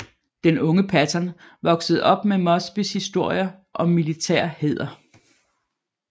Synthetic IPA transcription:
d̥enɔ̽ŋəpʰæt͡sʰɐn | ʋɒ̽ɡ̥səð̞̩ˠɒ̽b̥memɒ̽sb̥ishisd̥o̝ɐ̰jɐʔɒ̽mːilit͡sʰɛɐ̰he̝ð̞̰ˠɐ

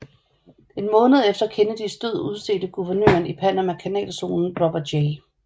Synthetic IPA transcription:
e̝nmɔ̽ːnəð̞̩ˠefd̥ɐkʰenəd̥isd̥øð̞̰ˠuð̞ˠse̝̰ːd̥əɡ̥uʋɐnø̰ɐnipʰæn̰ɐmækʰænɛ̰ːlso̝̰ːnn̩b̥ʁɒb̥ɐ̥e

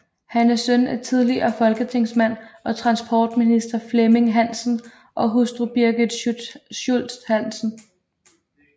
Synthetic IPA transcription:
hænæsønæt͡sʰið̞ˠliɐfɒ̽lɡ̥ət͡sʰe̝ŋ̰smæn̰ɒ̽t͡sʰʁɑ̈nsb̥ʰɒːd̥minisd̥ɐfleme̝ŋɦæn̰sn̩ | ʔɒ̽ɦusd̥ʁub̥iɐɡ̥ə̥ɕul̰sd̥hæn̰sn̩

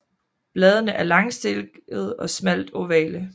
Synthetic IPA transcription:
b̥lɛːð̞ˠənəʔæɐlɑ̈ŋsd̥elɡ̥əð̞̩ˠɒ̽smæl̰d̥ɒʋɛ̰ːlə

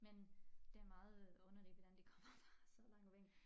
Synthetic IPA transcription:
mend̥e̝æɐmɑ̈ːð̞̩ˠɔ̽nɐneɡ̥ʋɒd̥ænd̥ikʰɒ̽m̰ɐfʁɑ̈sɒ̽lɑ̈ŋ̰ɒʋeŋ̰

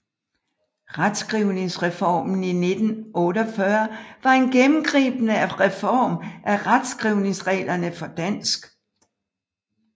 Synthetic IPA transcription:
ʁad̥sɡ̥ʁiʊne̝ŋsʁɛfɒ̰ːmn̩ine̝d̥n̩ɔ̽ːɾɒfɶɐʋɑ̈e̝nɡ̥emm̩ɡ̥ʁḭːb̥ənəæʁɛfɒ̰ːmʔæʁad̥sɡ̥ʁiʊne̝ŋsʁɛ̰ːlɐnəfɒ̽d̥æn̰sɡ̥

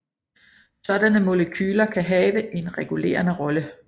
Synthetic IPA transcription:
sɒ̽d̥ænəmo̝ləkʰyːlɐkʰæɦɛːʋəʔe̝nʁɛɡ̥ule̝̰ːɐnəʁɒ̽lə

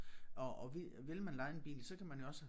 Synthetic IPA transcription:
ɒɒʋ | ʋe̝lmænlɑ̈ɪenb̥ḭːlsɒ̽kʰæmænjo̝ɒ̽sə

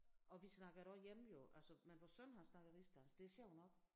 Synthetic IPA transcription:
ʔɒ̽ʋisnɑ̈ɡ̥ðˠɾɒjem̩jo̝ʔælsəmenʋɒsøn̰ɦɑ̈snɑ̈ɡ̥ð̩ˠisd̥ænsd̥e̝æsjɛʊnɒ̽ɡ̥

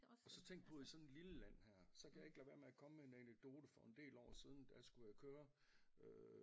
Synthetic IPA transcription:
ɒ̽sɒ̽t͡sʰeŋ̰ɡ̥̚pʰɔ̽isɒ̽ne̝̥liləlæn̰hæɐ̰sɒ̽kʰæjɑ̈e̝ɡ̥læʋæɐmeækʰɒ̽məmeenæneɡ̥̚d̥o̝ːd̥əfɒ̽e̝nd̥e̝̰ːlɒ̰ːsiːð̞ˠn̩d̥æsɡ̥ujakʰøːɐ | ø

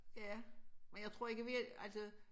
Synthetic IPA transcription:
jæmenjɑ̈ɪt͡sʰʁo̝ɐ̰e̝ɡ̥əʋiælsə

